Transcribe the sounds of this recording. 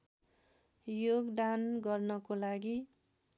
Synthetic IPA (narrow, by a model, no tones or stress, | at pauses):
joɡd̪anɡʌrnʌkolaɡi